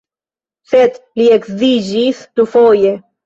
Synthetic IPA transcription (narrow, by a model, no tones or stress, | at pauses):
set̪liekzid͡ʒisd̪ufoje